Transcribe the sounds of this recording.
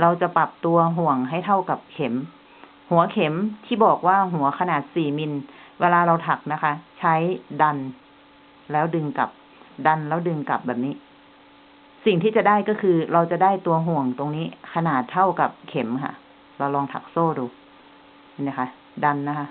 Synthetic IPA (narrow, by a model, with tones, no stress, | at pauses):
ɾa˧wt͡ɕa˨˧˩pa˨˩p̚t̪u˧ɐɦu˨˩əŋɦa˥˩˨jt̪ʰa˥˩wka˨˩p̚kʰe˨˩˦m | hu˨˩˦ɐkʰe˨˩˦mt̪ʰiː˧˥˩bɔː˨˩k̚waː˧˥˩ɦu˨˩˦ɐkʰa˧naː˨˩t̪̚siː˨˩mi˧nweː˧laː˧ɾa˧wt̪ʰa˨˩k̚na˦˥kʰa˦˥t͡ɕʰa˦˥˨jda˧n | lɛː˦˥wdɯ˧ŋka̰˨˩p̚ | da˧nlɛː˦˥wdɯ˧ŋka̰˨˩p̚bɛː˨˩p̚niː˦˥˨ | si˨˩ŋt̪ʰiː˥˩t͡ɕa˨˩daː˥˩jkɔː˥˩kʰɯː˧ɾa˧wt͡ɕa˨˩daː˥˩jt̪u˧ɐɦu˨˩əŋt̪o˧ŋniː˦˥˨kʰa˧naː˨˩t̪ʰːa˥˩wka˨˩p̚kʰe˩˦mkʰa̰˧˩ | la˧wlɔː˧ŋt̪ʰa̰˧˩k̚soː˥˩duː˧ | a˧nːiː˧˩kʰa˦˧˥ | da˧nːa˦˥kʰa˦˥